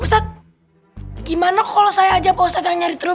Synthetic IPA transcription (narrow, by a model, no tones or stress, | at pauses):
ust̪at̪̚ | ɡimanakalɔsajaːd͡ʒapɔust̪at̪jaŋɲaɾit̪əɾu